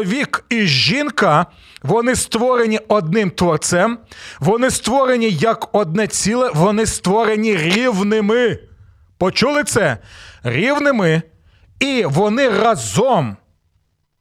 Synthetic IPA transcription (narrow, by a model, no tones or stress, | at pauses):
ʋʲikiʒinkɐ | ʋɔnɪst̪ʋɔɾe̞nʲiɔd̪̚nɪmt̪ʋɔrt̪sɛmʋɔnɪst̪ʋɔɾe̞nʲijɐkɔd̪̚nɛt͡sʲilˠɛʋɔnɪst̪ʋɔɾenʲiɾʲiwnɪmɪ | pɔt͡ʃulˠɪt̪sɛɾʲiwnɪmɪ | iʋɔnɪrɐzɔm